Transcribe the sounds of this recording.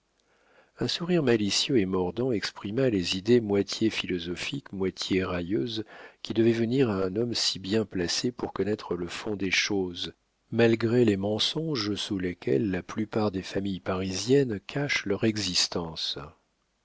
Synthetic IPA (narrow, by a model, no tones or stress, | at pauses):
ɛ̃suʁiʁmalisjøemɔʁd̪ɑ̃ɛkspχimalezid̪emwat̪ʰjefilɔzɔfikmwat̪ʰjeʁajøzkʲid̪əvɛvəniʁaɛ̃nɔmsibjɛ̃plasepuʁkɔnɛt̪χələfɔ̃d̪eʃoz | malɡʁelemɑ̃sɔ̃ʒsulekʲʰɛ̰lːaplypaʁd̪efamijpaʁizjɛnkʰaʃlœʁɛɡzist̪ɑ̃s